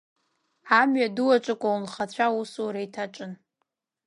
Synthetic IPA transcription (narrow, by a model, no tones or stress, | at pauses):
amɥaduwaʈ͡ʂʷʼɨkʷʼaulχat͡ɕʷʰausuɾaitʰaʈ͡ʂʼɨn